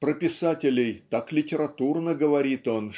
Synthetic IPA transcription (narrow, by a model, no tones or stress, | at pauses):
pɾəpʲɪsatʲɪlʲɪjt̪aklʲɪtʲɪɾɐt̪urnəɡəvɐɾʲit̪o̞n